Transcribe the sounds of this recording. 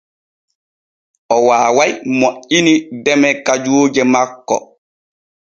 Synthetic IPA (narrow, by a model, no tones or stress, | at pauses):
ʔɔwaːwajmoʔinidɛmɛkad͡ʒoːd͡ʒɛmakːɔ̰